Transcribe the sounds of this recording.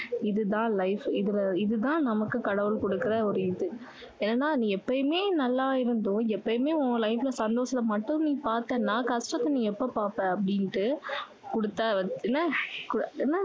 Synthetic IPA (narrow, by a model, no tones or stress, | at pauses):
ɪðɯt̪ãːlɐɪfɪðɪlɐɪðɯt̪ãːnɐmɐkːɯkɐɽɐʋɯlkɔɽɯkːɯɾɐɔɾɯɪðɯ | eːnɐnːaːnĩːɛpːɐjmeːnɐlːaːɪɾɯnd̪õːɛpːɐjmeːʊ̃lɐɪfɪlɐsɐnd̪oːsɐlɐmɐʈːɯ̃niːpaːɾt̪eːnãːkɐsʈɾɐt̪ːɐnĩːɛpːopaːɾpẽːɐpːɐɽɪnʈːɯ | kɔɽɯt̪ːaːʋɐɛnːɐkʊɛnːɐ